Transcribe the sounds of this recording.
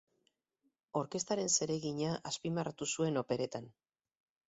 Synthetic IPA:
o̞ɾke̞st̪aɾe̞nse̞ɾe̞ɣiɲaʔaspimarat̪usue̞no̞pe̞ɾe̞t̪an

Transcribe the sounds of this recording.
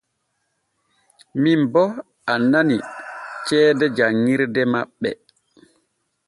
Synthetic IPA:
mimbɔ | ananit͡ʃɛːdɛd͡ʒaŋːiɾdɛmaɓːɛ̰

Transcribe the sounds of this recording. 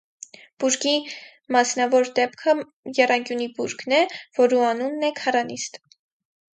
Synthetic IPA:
b̥uɾɡi | mɑsnɑvɔɾd̪ɛpkʰə | jɛrɑŋkjunibuɾknɛv̥ɔɾuɑnunːɛkʰɑrɑnist̪

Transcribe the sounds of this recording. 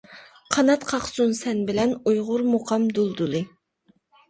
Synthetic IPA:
qʰɑnɑt̪qʰɑχsunsɛnbɪlɛnujʁʊɾmuqʰɑmd̪ulˠd̪ulˠɨ

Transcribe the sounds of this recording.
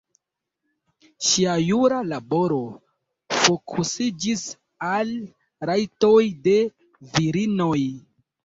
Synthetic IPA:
ʃiajuɾalabo̞ɾo̞ | fokʰusid͡ʒis | al | ɾajto̞jde̞ | viɾino̞j

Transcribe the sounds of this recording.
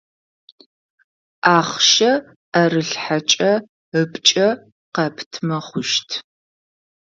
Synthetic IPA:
aːχʃɐ | ɐrɨɬħat͡ʃʼɐ | əpʼt͡ʃʼɐ | qɐpʰtʰmɐχʷʊʃtʰ

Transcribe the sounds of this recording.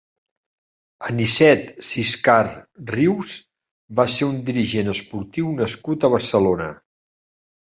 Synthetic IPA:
ənisɛt̪siskarriws | baseɾund̪iɾiʒenəspuɾt̪iwnəskut̪əβ̞əɾsəlonə

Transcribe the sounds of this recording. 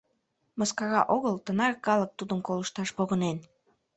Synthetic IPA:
məskɑɣɑʔoɣəlt̪ənɑrkɑlək̚t̪ud̪əmkoləʃt̪ɑʃpoɣənen

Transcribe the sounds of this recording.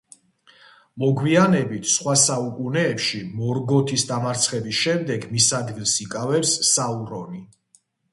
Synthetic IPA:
mɔɡwianɛbit̪ʰsχwasaukʼunɛːpʃimɔɾɡɔt̪ʰisd̪amaɾt̪sʰχɛbisʃɛmd̪ɛɡmisad̪ɡilˠsikʼavɛpsːauɾɔni

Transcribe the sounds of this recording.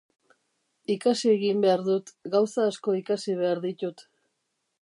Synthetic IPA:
ikasieɣimbe̞aɾðut̪ɡawsaːsko̞ikasiβ̞e̞aɾðit̪ut̪

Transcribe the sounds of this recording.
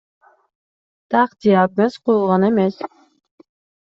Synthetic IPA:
t̪ʰɑqt̪ijɑp̚mesqʰojulˠʁɑnemes

